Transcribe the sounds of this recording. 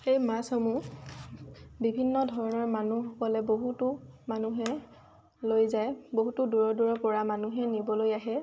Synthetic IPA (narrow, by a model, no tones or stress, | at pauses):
xejmasɔmu | bibʱinːɔdʱɔɹɔnɔɹmanuxɔkɔlɛboɦutʊmanuɦɛ | lojzajboɦutʊduɹɔduɹɔpɔɹamanuɦɛnibɔlojaɦɛ